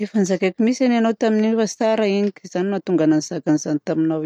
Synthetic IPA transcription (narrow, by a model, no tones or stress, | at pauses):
efanzakakʲimisananowt̪aminiefasaɾainikʲz̥animat̪uŋɡananizakʲanizanit̪aminaw